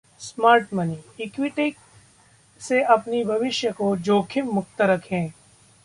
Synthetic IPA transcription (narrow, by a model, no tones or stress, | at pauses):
smaːɾʈmɐniːɪkwɪʈɪk̚ | seʔɐpnibʱɐʋɪʃjəkod͡ʒoːkʰɪmːʊkt̪əɾɐkʰẽː